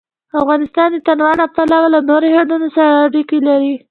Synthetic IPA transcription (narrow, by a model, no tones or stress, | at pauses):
afɣɑnɪst̪ɑnd̪ət̪anwɑnaf̚t̪alɑwalanoɾohed̪unosaɾaːɽikelaɾi